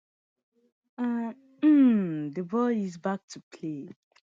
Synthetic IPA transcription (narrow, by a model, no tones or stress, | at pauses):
ʌ | m̩dəbɔlizbak̚tʰupʰle